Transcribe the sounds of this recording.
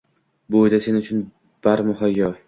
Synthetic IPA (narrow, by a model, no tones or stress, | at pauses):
bojd̪ase̞nʊt͡ʃʰʊn | b̥aɾmʊɦajːɒ